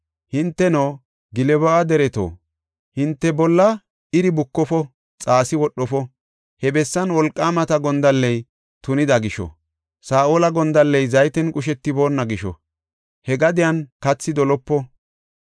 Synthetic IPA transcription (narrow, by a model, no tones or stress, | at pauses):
hɪnt̪ːɛnoː | ɡɪlɛbɔʔad̪ɛɾɛt̪o̰ː | hɪnt̪ːɛbɔlːɐ | ɪɾɪbʊkːɔfɔ | t͡sʼaːsɪwɔɗːɔfɔ | hɛbɛsːɐnwɔlkʼːaːmɐt̪ɐɡɔnd̪ɐlːɛj | t̪ʊnɪd̪ɐɡɪʃɔ̰ | saːʔoːlɐɡɔnd̪ɐlːɛjzɐjt̪ɛnkʼʊʃɛt̪ːɪbo̞ːnːɐɡɪʃɔ̰ | hɛɡɐd̪ɪjɐnkɐt͡sːɪd̪ɔlɔpːɔ